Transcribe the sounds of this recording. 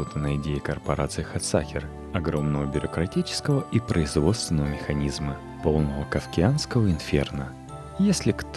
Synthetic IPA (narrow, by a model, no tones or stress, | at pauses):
ot̪ənəɪdʲejɪkərpɐɾʔat̪sɨɪxɐt̪sa̰kʲɪr | ɐɡɾo̞mnəvəbʲʊɾəkɾɐtʲit͡ɕɪ̥skəvəʔipɾʔəɪzvo̞t̪st̪vʲɪnəvəmʲɪxɐnʲizmə | po̞lˠnəvəkɐfkʲɪanskəvəɪnfʲḛrnə | jesʲlʲɪkt̪